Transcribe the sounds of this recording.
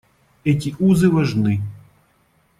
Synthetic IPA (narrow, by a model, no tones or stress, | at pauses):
ɛtʲiʔuzɨvɐʐnɨ